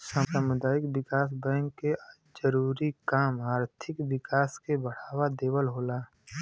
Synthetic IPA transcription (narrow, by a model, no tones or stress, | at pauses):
sãːmpaːmʊd̪aːɪkwɪkaːs̬bɛ̃ːŋkːe | d͡ʒəɾuːɾikaːmaːɾt̪ʰɪkʋɪkaːskebəɽ̤aːwad̪eːwəlɦoːlaː